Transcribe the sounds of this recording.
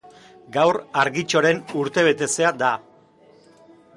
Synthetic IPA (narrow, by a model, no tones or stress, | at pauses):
ɡawraɾɣit͡ʃo̞ɾe̞nuɾt̪e̞β̞e̞t̪e̞se̞ad̪a